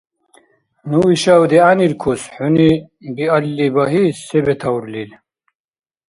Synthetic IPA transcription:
nuiɕawd̪ianiɾkʰusħuni | biɐlːibɐɦisebet̪ʰɐwɾlil

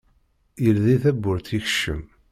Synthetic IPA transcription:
jəlðiθæbːʊɾθiç̥ʃːə̰m

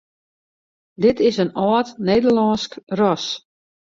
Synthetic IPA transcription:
dɪtɪsənɔːtneːdəlɔnskrɔs

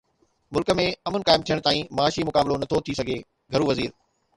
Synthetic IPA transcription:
mʊlkə̆mẽɐmənkaːɪmt̪ʰijəɽ̃̆t̪aːĩmɐaːʃimʊkaːblonɐt̪ʰot̪ʰisɐɡʱe | ɡʱɐɾuʋɐziːɾ

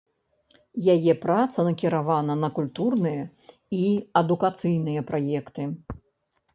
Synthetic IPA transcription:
jajɛpɾat̪sɐnɐkʲiɾavanɐnɐkulʲt̪urnɨjɐ | iɐd̪ukat̪sɨjnɨjɐpɾʔajɛkt̪ɨ

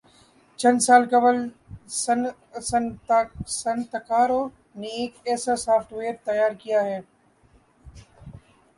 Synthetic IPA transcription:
t͡ʃɐ̃nsaːlkɐbəl | s | sɐnt̪ɐkaːɾoː | nẽeːkɛːsasaːfʈʋeːɾt̪ɐjaːɾkijaɦɛː

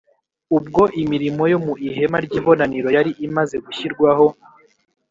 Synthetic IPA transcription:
ubɡo̞ʔimiɾimo̞jo̞muʔihe̞maɾɟiːβo̞naniɾo̞jaɾiʔimaze̞ɡuçiɾɡwaho̞

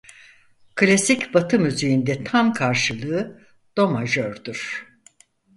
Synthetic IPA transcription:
kʰlʲasicbat̪ʰɯmyzejind̪ɛt̪ʰamkʰaɾʃɯlˠɯɯ | d̪̥o̞maʒøɾd̪uɾ̥

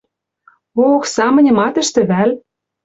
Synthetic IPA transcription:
oxsɑmɤ̆nʲɤ̆mɑt̪ə̆ʃt̪ɘ̆βæl

